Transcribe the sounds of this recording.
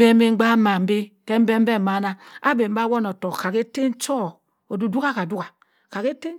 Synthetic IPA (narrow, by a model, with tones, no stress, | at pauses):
be˦me˦ŋ͡m̩˦ɡ͡ba˦ma˨m̩˦be˦ke˦m̩˦be˦m̩˦be˦ma˦na˦a˦be˨m̩˦ba˦wo˦no˨to˨ka˨ke˦te˦n̩˦t͡ʃɔ˦˨ | o˨du˨du˦ka˦ka˨du˦ka˨ | ka˨ke˦te˦